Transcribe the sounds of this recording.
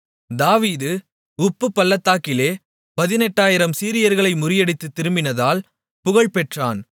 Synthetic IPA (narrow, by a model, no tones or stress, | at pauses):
d̪aːʋiːðɯ | ʊpːɯpːɐlːɐt̪ːaːkɪleː | pɐðɪnɛʈːaːjɪɾɐmsiːɾɪjɐɾɣɐɭɐɪmʊɾɪjɐɽɪt̪ːɯt̪ːɪɾɯmbɪnɐðaːl | pʊɣɐɭpɛʈra̰ːn